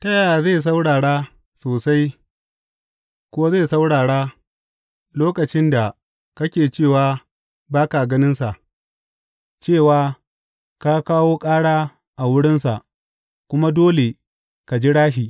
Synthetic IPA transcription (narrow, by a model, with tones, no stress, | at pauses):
tɐ˦jaː˨zeː˦˨s̬a˦wɽaː˨ɽa˦ | soː˨sa˦j | kʷʊ˦zeː˦˨sa˦wɽaː˨ɽa˦ | loː˦kɐ˨t͡ʃɪ˦nda˨ | kɐ˦kʲeː˨t͡ʃeː˦˨waː˦ | baː˦ka˨ɡɐ˦nɪ˦nsa˨ʔ | t͡ʃeː˦˨waː˦ | ka˦kaː˦woː˦kʼaː˦ɽaː˦ | ʔa˨wʊ˦ɽɪ˦nsa̰˨ʔ | kʷʊ˦ma˦doː˦le˨ | ka˨d͡ʒi˦ɽaː˦ʃiː˨